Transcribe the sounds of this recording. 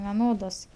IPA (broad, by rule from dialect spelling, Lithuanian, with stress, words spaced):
ʋʲɛˈnoːdoːs